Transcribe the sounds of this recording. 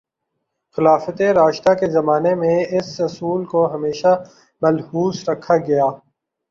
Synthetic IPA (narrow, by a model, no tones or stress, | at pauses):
xɪlaːfət̪eɾaːʃt̪akezɐmaːnemẽɪsɐsuːlkoɦɐmeːʃa | mɐlhuːsɾɐkʰaɡɐjaː